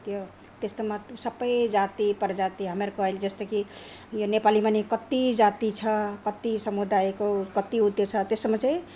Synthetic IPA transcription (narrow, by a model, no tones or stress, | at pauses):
t̪jo | t̪est̪emasəpəjd͡ʒat̪ipəɾd͡ʒat̪iɦəmeɾkɔɦeld͡ʒest̪ekijonepalimenekət̪id͡ʒat̪it͡ʃʰʌkət̪isəmud̪ajkokət̪iut̪jot͡ʃʰʌt̪esəmet͡ʃe